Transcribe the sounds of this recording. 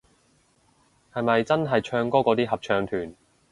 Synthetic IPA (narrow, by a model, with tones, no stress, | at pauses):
hɐ˨jmɐ˨jt͡sɐ˥nɦɐ˨jt͡ʃʰœː˧ŋkɔː˥kɔ˨˧˥t̪iː˥ɦɐ˨p̚t͡ʃʰœː˨˧ŋt̪ʰyː˨˩n